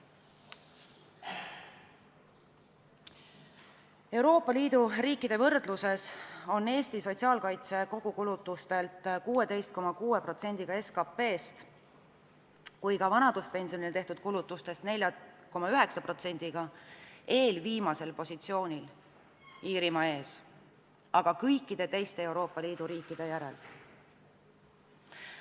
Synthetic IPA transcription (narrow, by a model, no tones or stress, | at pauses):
e̞uɾo̞ːpːˑɑliːd̪uriːkˑːid̪e̞vɤrd̪luse̞so̞nːe̞ːst̪iso̞tʲsiɑːlkɑjt̪se̞ko̞ɡ̥ukulut̪ːˑust̪e̞lt̪ːˑkuːe̞d̪e̞jst̪̚ko̞mɑkuːe̞pro̞t̪se̞nʲd̪̥iɡ̥ɑe̞skɑpːe̞ːst̪ | kujkɑvɑnɑd̪̥uspe̞nʲsionilt̪e̞ht̪ud̪̥̚kulut̪ːˑust̪e̞st̪ne̞lʲjɑko̞mɑyɦe̞ksɑpro̞t̪se̞nʲd̪̥iɡ̥ɑ | e̞ːlviːmɑse̞lpo̞sit̪sio̞ːnʲil | iːɾimɑe̞ːs | ʔɑɡ̥ɑkɤjkˑːid̪̥e̞t̪e̞jst̪e̞ewɾo̞ːpːˑɑliːd̪̥uɾiːkːˑid̪̥e̞jæɾe̞̰l